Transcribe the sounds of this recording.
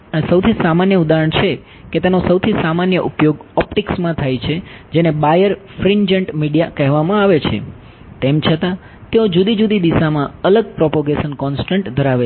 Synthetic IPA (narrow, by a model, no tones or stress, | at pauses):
səwt̪ʰisamanjəud̪aɾəɳt͡ʃʰe | ket̪enosəwt̪ʰisamanjəʔupjoɡɔpʈiksmãt̪ʰajt͡ʃʰed͡ʒenebajəɾfɾiɲd͡ʒəɳʈmiɽijakəɦʋamãaʋet͡ʃʰḛ | t̪emt͡ʃʰət̪ã | t̪eod͡ʒud̪id͡ʒud̪id̪isamãələɡ̚pɾɔpoɡesənkɔnsʈəɳʈd̪ʱəɾaʋe